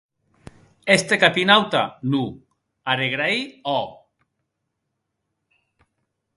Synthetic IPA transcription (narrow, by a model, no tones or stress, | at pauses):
est̪ekapinawt̪a̰nu | aɾeɣɾaiɔ